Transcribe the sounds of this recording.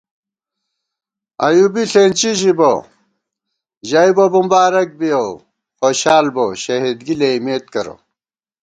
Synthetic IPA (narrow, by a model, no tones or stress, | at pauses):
ɐ̰jubiɬeːnt͡ɕiɕibo | ʑɐibobumbaːɾɐk̚bijo | xoːɕaːlboɕɐɦid̪ɡileimeːt̪̚kɐɾo̰